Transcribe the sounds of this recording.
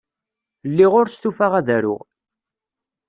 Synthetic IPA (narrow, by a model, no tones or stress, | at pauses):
lːiʁʊɾst̪ufaʁæðæɾʊ̰ʁ